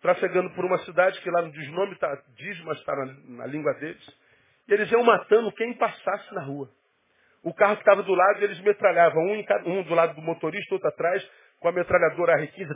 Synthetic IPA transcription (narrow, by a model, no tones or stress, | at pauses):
t̪ɾaseɡɐ̃nd̪ʊpʊɾũmɐsid̪ad͡ʒɪkɪlanʊd͡ʒiʒnõmʊt̪ad͡ʒizmɐʃt̪a̰nɐnɐ̰lĩŋɡwɐd̪elɪs | ɪelɪziɐ̃w̃mat̪ɐ̃nd̪ʊkẽj̃pasasɪnɐɦuɐ | ʊkaɦʊkɪ̥t̪avɐd̪ʊlad̪ʊɪielɪzmet̪ɾaʎavɐ̃w̃ũẽkad̪ũd̪ʊlad̪ʊd̪ʊmot̪oɾiʃt̪ɐot̪ɾat̪ɾajs | kõɐmet̪ɾaʎad̪oɾɐaɦekĩd̪ɐ